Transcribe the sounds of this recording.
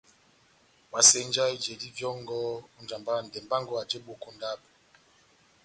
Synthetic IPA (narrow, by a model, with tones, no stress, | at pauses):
wa˨se˦n˦d͡ʒa˦i˦d͡ʒe˨di˦vjɔ˦ŋɡɔ˦u˦n˦d͡ʒa˨mba˦˨n̩˨dɛ˨m˨ba˦ŋɡɔ˦a˨d͡ʒe˦ɓo˨ko˦nda˦b̚